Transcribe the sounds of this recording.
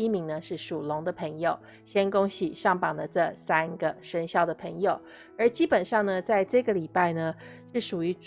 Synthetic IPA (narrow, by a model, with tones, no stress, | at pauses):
i˥mi˧˥ŋnə˧ʂɻ̩˥˩ʂu˨˩lʊ˧˥ŋd̪ə˧pʰɤ˧˥ŋjo˨˩ʊ | ɕjɛ˥nkʊ˥ŋɕi˨˩ʂɑ˥˩ŋpɑ˨˩ŋd̪ə˦ʈ͡ʂɤ˥˩sa˥nɡə˨ʂə˥nɕjɑ˥˩ʊd̪ə˩pʰə˧˥ŋjo˨˩ʊ | ə˞˧˥t͡ɕi˥pə˨˩nʂɑ˥˩ŋnə˩t͡sa˥˧ɪʈ͡ʂɤ˥˩ɡə˩li˨˩pa˥˩ɪnə˩ | ʂɻ̩˥˩ʂu˨˩y˧˥